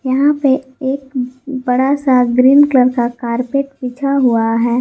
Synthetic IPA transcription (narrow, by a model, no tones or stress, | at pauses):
jɐɦãpeeːkbɐɽasaɡɾiːnkləɾkakaːɾpeːʈpiːt͡ʃʰaɦuaɦɛː